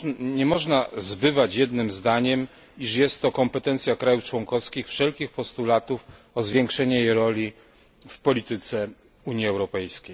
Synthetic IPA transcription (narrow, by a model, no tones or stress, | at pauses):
ɲɛmɔʐnazbɘvat͡ɕjɛd̪nɘmzd̪aɲɛm | iʂjɛst̪ːɔkɔmpɛt̪ɛnt̪sʲjakɾajuft͡ʂwɔŋkɔfskʲixfʂɛlkʲixpɔst̪ulat̪uf | ɔzvʲjɛŋkʂɛɲɛjɛɾɔlʲi | fpɔlʲit̪ɘt̪sɛ | uɲjiɛwɾɔpɛjskʲej